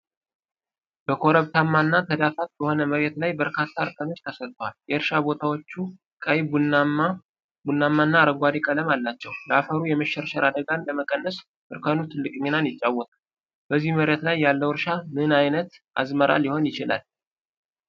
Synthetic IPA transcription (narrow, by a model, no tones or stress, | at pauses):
b̥əkʰo̞ɾəβt̪ʰamːanːat̪ʰəd̪afat̪̚bəho̞nəməɾet̪lajbəɾkʰat̪ʰːaɾkʼəno̞t͡ʃːt̪ʰəsətt̪ʼːəwaljɛɨɾʃabo̞t̪ʰawo̞t͡ʃːu | kʼəjb | bunːamːanːaɾəɡʷad̪ikʼələmalːat͡ʃːɛwləafəɾujɛməʃːɛɾʃəɾad̪əɡanləməkʼənːəs | ɨɾkʰənut̪ʰɨlːɨkʼɲinanjɪt͡ʃʼːawːɔt̪ʼal | bəzːihməɾet̪lajːalːəwɨɾʃamɨnajnət̪ʔa̰zməɾʔa̰ljɪho̞njɪt͡ʃɪla̰l